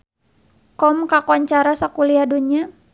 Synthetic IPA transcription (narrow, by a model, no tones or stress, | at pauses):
kɔmkakɔɲt͡ʃaɾasakuliaduɲa